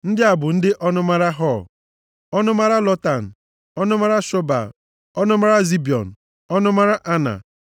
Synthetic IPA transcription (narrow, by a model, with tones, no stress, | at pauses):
n̩˦dɪ˦a˨bʊ˨n̩˦dɪ˦ʔɔ˦nʊ˦ma˦ɾa˦ɦɔ˦˨ | ɔ˦nʊ˦ma˦ɾa˦lɔ˦ta˨n̩˨ | ɔ˦nʊ˦ma˦ɾa˦ʃɔ˦ba̰˨ | ɔ˦nʊ˦ma˦ɾa˦zi˦bi˨ɔ̰˨n̩˨ | ɔ˦nʊ˦ma˦ɾa˦ʔa˦na̰˨